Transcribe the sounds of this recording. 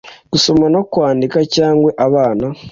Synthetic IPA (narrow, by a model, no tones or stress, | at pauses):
ɡ̥uso̞mano̞kwaːndikacaːŋɡwe̞ʔaβaːna